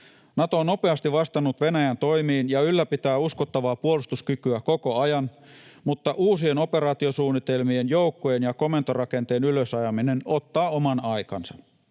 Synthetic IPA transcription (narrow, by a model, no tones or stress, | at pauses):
nɑt̪oːno̞pe̞ɑst̪iʋɑst̪ɑnːut̪ʋenæjænt̪o̞imiːnjɑylːæpit̪æːuskot̪ːɑʋɑːpuolust̪uskykyækokoɑjɑn | mut̪ːɑʔuːsieno̞peɾɑːt̪iosuːnːit̪elmienjoukːojenjɑkome̞nt̪orɑkent̪eːnyløsɑjɑminenot̪ːɑːomɑnɑikɑnsɑ